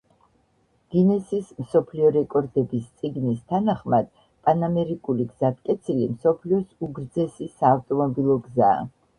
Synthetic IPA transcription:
ɡ̥inɛsismsɔpʰliɔɾɛkʼɔɾd̪ɛbist̪sʼiɡnist̪ʰanaχmad̪̥ | pʼanamɛɾikʼuliɡz̥at̪kʼɛt̪sʰilimsɔpʰliɔsuɡɾd̪zɛsisaːft̪ʼɔmɔbilˠɔɡza̰ː

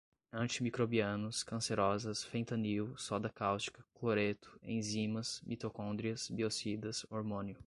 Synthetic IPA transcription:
ɐ̃t͡ʃimikɾobiɐ̃nʊskɐ̃seɾɔzɐsfẽt̪ɐniwsɔd̪ɐkawst͡ʃi̥kɐkloɾet̪ʊ̥ḛ̃j̃zĩmɐsmit̪okõnd̪ɾiɐsbiosid̪ɐsoɾmõniʊ

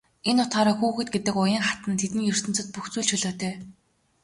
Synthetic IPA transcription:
enʊt̪χaːɾaːxuːxɘ̆t̪̚ɡet̪ɘ̆kʊjiːŋχat̪ə̆nt̪ʰet̪ɘ̆ŋjɵr̥t̪ɵ̆nt͡sɵ̆t̪̚puxt͡suːɮt͡ɕʰɵɮoːt̪ʰœː

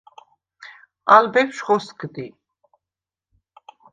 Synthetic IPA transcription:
albɛpʃχɔskd̪i

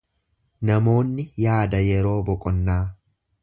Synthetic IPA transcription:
nɐmo̞ːnːɪjaːd̪ɐjɛɾo̞ːbɔkʼɔnːaː

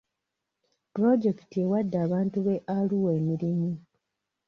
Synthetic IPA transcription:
pɾo̞d͡ʒe̞ktie̞wadːaːβaːntuβeʔaluweːmiɾimi

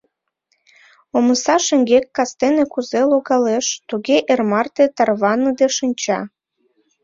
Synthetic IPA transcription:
oməsɑʃeŋɡekːɑst̪enekuzeloɣɑleʃt̪uɣeʔermɑrt̪et̪ɑrβɑnəd̪eʃənʲt͡ɕɑ̰

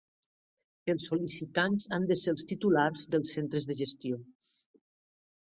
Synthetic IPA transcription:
əlˠsːolisit̪anzand̪əselˠst̪it̪ulaɾzðəlˠsent̪ɾəzðəʒəst̪io

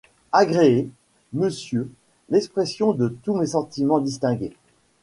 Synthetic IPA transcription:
aɡʁeː | məsjø | lɛkspχesjɔ̃d̪ət̪umesɑ̃t̪imɑ̃d̪ist̪ɛ̃ɡʲe

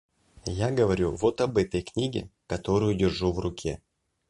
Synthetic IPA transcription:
jaɡəvɐɾʲuvo̞t̪ɐbɛt̪əjknʲiɡʲɪ̰kɐt̪o̞ɾʊjʊdʲɪrʐuvrʊkʲʰe̞̰

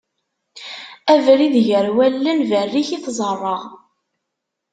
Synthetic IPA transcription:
ævɾiðʝəɾwælːənvərːiçiθzˤərˤːɑʁ

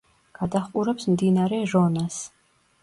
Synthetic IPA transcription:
ɡ̥ad̪aχqʼuɾɛpsmd̪inaɾɛʒɔnas

